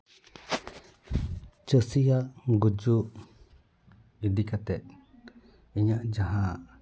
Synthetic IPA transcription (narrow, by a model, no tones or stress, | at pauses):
t͡ʃəsijaŋɡud͡ʒu | id̪ikat̪e | iɲãʔd͡ʒaɦã